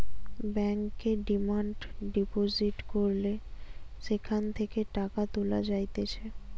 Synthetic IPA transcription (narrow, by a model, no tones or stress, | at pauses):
bɛŋkːeɖimaɳɖɖipoziʈkoɾleʃekʰant̪ʰekeʈakat̪ulad͡ʑajt̪et͡ɕʰe